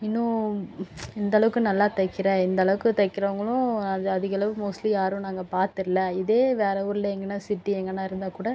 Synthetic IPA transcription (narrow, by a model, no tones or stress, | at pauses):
ɪnːʊ̃ | ɪnd̪ɐɭɐʋɯkːɯ̃nɐlːaːt̪ɐkːɪɾẽːɪnd̪ɐɭɐʋɯkːɯt̪ɐɪkːɪɾɐʋɐŋɡɐɭʊ̃ɐðɐðɪɣɐɭɐʋɯmoːslijaːɾʊ̃naːŋɡɐpaːɾt̪ɪɾlɐɪðeːʋeːɾɐuɾɪlɐɛŋɡɐnːãːsɪʈːiɛŋɡɐnːãːɪɾɯnd̪aːkuːɽɐ